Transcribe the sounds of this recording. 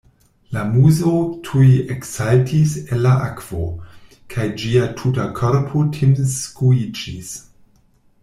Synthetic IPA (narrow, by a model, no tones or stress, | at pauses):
lamuzotʰujeksaltʰiselːaʔakv̥o̰ | kʰajd͡ʒiatʰutakʰoɾpʰotʰinskuid͡ʒis